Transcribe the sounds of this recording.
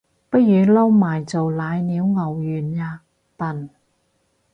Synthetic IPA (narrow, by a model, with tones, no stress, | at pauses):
pɐ˥t̚jyː˨˧lɐ˥wmaː˨˩jt͡so˨wlaː˨˧jniː˨˧˥wŋɐ˨˩wjyː˨˩njaː˧ | pɐ˨n